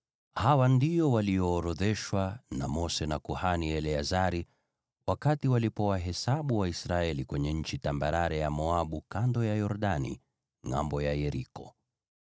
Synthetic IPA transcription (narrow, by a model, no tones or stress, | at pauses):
hawandijɔwaliɔːɾɔðɛʃwanamɔsɛnakuhaniɛlɛazaɾi | wakatiwalipɔwaɦɛsaɓuwaisɾaɛlikwɛɲɛɲ̩t͡ʃitambaɾaɾɛjamɔaɓukandɔjajɔɾɗanḭ | ŋa̰mbɔjajɛɾikɔ